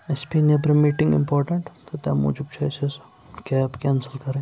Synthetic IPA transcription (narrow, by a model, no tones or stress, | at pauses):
espinɐpɾɐmiːʈɪ̃ŋɡɪ̰̃mpɔːɾʈəɳʈt̪ot̪ɛmṵːd͡ʒub̚t͡ʃɔːjsez | kaːpkɛ̃ːnsəlkɐɾẽː